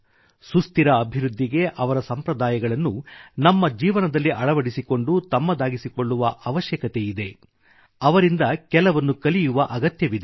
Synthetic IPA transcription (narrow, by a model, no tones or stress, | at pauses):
sust̪iɾɐːbʱiɾud̪ʱːiɡe̞ʔɐʋɐɾɐsɐmpɾɐd̪aːjɐɡɐɭɐnːunɐmːɐd͡ʒiːʋɐnɐd̪ɐlːiʔɐɭɐʋɐɽisiko̞ɳɖut̪ɐmːɐd̪aːɡisiko̞ɭːuʋɐʔɐʋɐʃjɐkɐt̪ejid̪e̞ | ɐʋɐɾind̪ɐkɛlɐʋɐnːukɐlijuʋɐʔɐɡɐt̪jɐʋid̪e